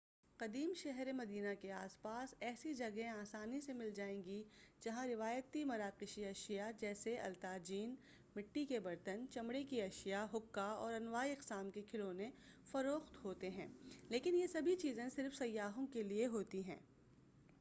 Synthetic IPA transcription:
qɐd̪iːmʃɛɦɾemɐd̪iːnakeaːspaːsɛːsid͡ʒɐɡẽaːsaːnisemɪld͡ʒaːẽːɡid͡ʒɐɦãɾɪʋaːjt̪imɐɾaːqɪʃiɐʃijad͡ʒɛːseɐ̰lt̪aːd͡ʒiːn | mɪʈːikebɐɾt̪ənt͡ʃɐmɽekiɐʃijaɦʊkːaɔːɾɐnʋaːiɪqsaːmkekʰɪlõnẽfɐɾoːxt̪ɦoːt̪eɦɛ̰̃ːleːkɪnjesɐbʱit͡ʃiːzẽsɪɾfsɐjːaːɦõkelieɦoːt̪iɦɛ̰̃ː

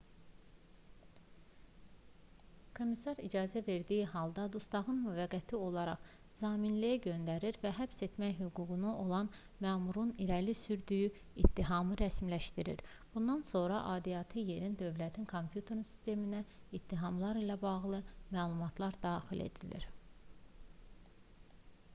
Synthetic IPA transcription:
kʰo̞misɑɾid͡ʒɑːzæve̞ɾd̪ijiɦɑlˠd̪ɑd̪ust̪ɑʁɯnmyvæɡæt̪ʰio̞lˠɑɾɑχ | z̥ɑːminlijæɟø̞nd̪æɾiɾvæɦæpse̞t̪mæjɦyɡuːɡunuo̞lˠɑn | mæːmuɾuniɾælisyɾd̪yjy | it̪ːiɦɑmɯɾæsmlæʃt̪iɾḭɾ | b̥und̪ɑnso̞nɾɑʔɑːd̪ijɑt̪ʰɯje̞ɾind̪ø̞vlæt̪ʰinkʰo̞mpʰjut̪ʰe̞ɾsi̥st̪e̞minæit̪ʰːiɦɑmlˠɑɾilæbɑʁlˠɯmæːlˠumɑt̪ʰlˠɑɾd̪ɑːxile̞̰d̪ilḭɾ̥

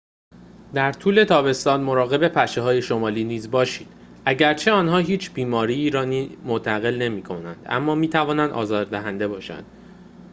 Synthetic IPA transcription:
d̪æɾt̪ʰuːle̞t̪ʰɒːbe̞st̪ɒːnmo̞ɾɒːɣe̞be̞pʰæʃeɦɒːje̞ʃo̞mɒːliːniːzbɒːʃiːd̪̥ | ʔæɟæɾt͡ʃʰe̞ɒːnhɒːɦiːt͡ʃʰb̥iːmɒːɾiiːɾɒːnimont̪ʰæɣe̞lne̞miːkʰo̞næ̰nd̪̥ʔæ̰mːɒːmiːt̪ʰævɒːnænd̪ʔɒ̰ːzɒːɾd̪æɦænd̪e̞bɒːʃæ̰nd̪̥

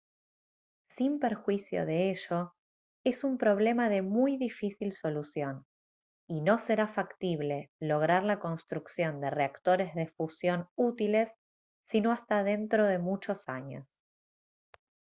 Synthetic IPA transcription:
simpeɾxwisjo̰ðeeʃo̞ | e̞sumpɾo̞β̞le̞maðe̞mujðifisilso̞lusjo̞n | ino̞se̞ɾafakt̪iβle̞lo̞ɣ̞ɾaɾlako̞nst̪ɾuksjo̞nd̪e̞reakt̪o̞ɾe̞zðe̞fusjo̞nut̪ile̞sː | inoast̪aðe̞nt̪ɾo̞ð̞e̞mut͡ʃo̞sa̰ɲo̰s

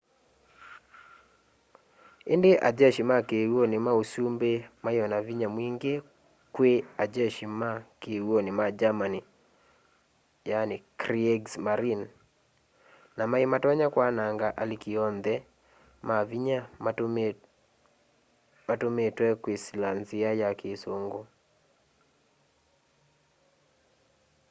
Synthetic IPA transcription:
ɪ̰ndɪʔa̰d͡ʒɛʃimakewonɪmausumbemajɔnaviɲamwiŋɡe | kwead͡ʒɛʃimakewonɪmad͡ʒamani | janɪkɾieɡsmaɾin | namaimatwaɲakwanaŋɡaʔalikiɔnd̪ɛ | maviɲa | matometwɛkwesilanziajakɪsoŋɡo

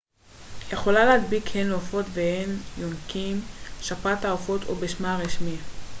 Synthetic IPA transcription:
jeχo̞lalehat̪bikhenofo̞t̪vehenjonkimʃapataofo̞t̪ʰo̰beʃmaʁiʃmi

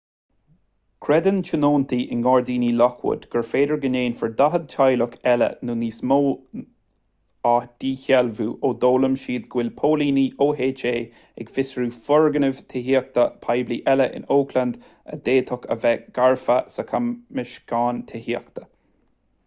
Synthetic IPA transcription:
kʰɾɛd̪ənt͡ʃʰənoːnt̪ʰiʔɪnɡɔːɹd̪iːniːlɔkʰwʊ̰d̪ɡ̥əɹfeːd̪əɹɡəneːnfəɹd̪aɦəd̪̚tʰajlʊkʰɛlə̰nuːniːsmoː | ad̪̥iːçɛlvuːʔoːd̪oːləmʃiːd̪̚ɡwɪlpʰoːliːniːoːɦeːt͡ʃeː | ɛɡfɪsɹuːfɔɹɡənəv̥t̪ʰɪɦiːək̚t̪əpʰajbliːʔɛləʔɪ̰noːkʰland̪ | ə̰d̪eːt̪ʰɔkʰə̰vɛɡ̥aɹfəsəkʰammːɪʃɡ̥aːnt̪ʰɪhiəkt̪ʰə̥

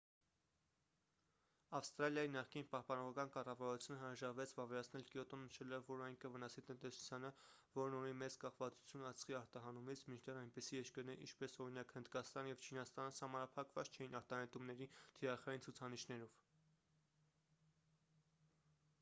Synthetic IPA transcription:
ɑfst̪ɾɑljɑjinɑχkinpɑhpɑnɔʁɑkɑnkɑrɑvɑɾut͡sʰjunəɦəɾɑʒɑɾvɛt͡sʰvɑvɛɾɑt͡sʰnɛlkjɔt̪ɔnːəʃɛlɔvːɔɾɑjŋkəvənɑsit̪ənt̪ɛsu̥t͡sʰjɑnə | vɔɾnunimɛt͡skɑχvɑt͡su̥t͡sʰjunɑt͡sχiɑɾt̪ɑɦɑnumit͡sʰmint͡ʃʰd̪ɛɾɑjnpɛsijɛʃkəɾnɛʔḭnt͡ʃʰpɛsɔɾinɑkhənd̪kɑst̪ɑnjɛvt͡ʃʰinɑst̪ɑnəsɑmɑnɑpʰɑkvɑt͡st͡ʃʰɛjinɑɾt̪ɑhɛnt̪umnɛɾit̪ʰiɾɑχɑjint͡sʰut͡sʰɑniʃnɛɾɔv̥

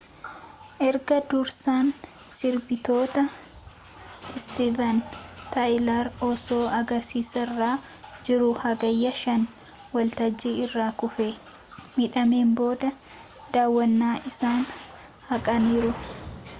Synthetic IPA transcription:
ʔɛɾɡɐd̪ʊɾsaːn | sɪɾbɪt̪o̞ːt̪ɐ | ɪst̪ivɐnt̪ajlaɾɔso̞ːʔɐɡɐɾsiːsɐrːaː | d͡ʒɪɾʊhɐɡɐjːɐʃɐn | wɐlt̪ɐd͡ʒːiɪrːaːkʊfeː | miᶑɐmeːmbo̞ːd̪ɐ | d̪aːwːɐnːaːʔɪsaːn | hɐkʼɐniːɾʊ

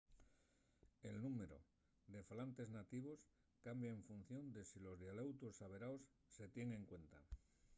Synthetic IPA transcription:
e̞lnume̞ɾo̞̰ | d̪e̞falant̪e̞znat̪iβ̞o̞s | kambjaeɱfun̟θjond̪e̞silo̞zðjalewt̪osaβe̞ɾaosːe̞t̪je̞ŋẽ̞ŋkwe̞nt̪a

